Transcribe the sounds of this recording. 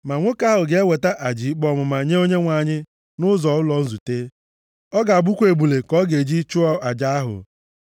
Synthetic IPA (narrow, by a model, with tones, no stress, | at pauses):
ma˨ŋʷʊ˦ka˦ɦʊ˨ɡe˦we˨ta˦ʔa˨d͡ʒi˨ɡ͡bɔ˨mʊ˨ma˨ɲe˦o˦ɲe˦ŋʷa˨ɲɪ˦ | nʊ˦zɔ˨˦ʊ˦lɔ˨n̩˦zu˨te˦ | ɔ˦ɡa˨a˨ɡ͡bu˦kʷe˨ɡ͡bu˨le˨kɔ˦ɡe˨d͡ʒi˦t͡ʃʊ˦ɔ˦ʔa˨d͡ʒa˦a˦ɦʊ̰˨